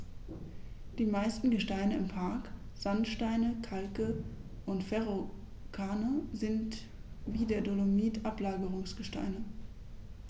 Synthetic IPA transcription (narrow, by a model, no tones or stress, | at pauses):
d̥iːmaɪstn̩ɡəʃtaɪnəɪmpʰaɐk | z̥antʃtaɪnəkʰalkəʔʊntfɛʁo | kʰaːnəzɪnt | viːdeːɐdolomiːtʔaplaːɡəʁʊŋsɡ̥əʃta̰ɪnə